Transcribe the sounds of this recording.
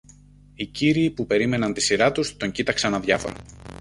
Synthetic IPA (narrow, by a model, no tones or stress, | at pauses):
iciɾiːpupe̞ɾime̞nɐnt̪isiɾɐt̪ust̪o̞ɲɟit̪ɐksɐnɐðʝɐfo̰ɾɐ̰